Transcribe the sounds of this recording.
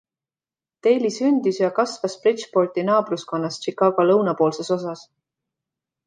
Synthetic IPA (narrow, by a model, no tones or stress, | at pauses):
t̪e̞jlisynd̪̥isjɑkɑsvɑsprit͡ʃpo̞rt̪ʲinɑːbrusko̞nːɑst̪t͡ʃikːˑɑɡ̥olɤwnɑpo̞ːlse̞so̞s̬ɑs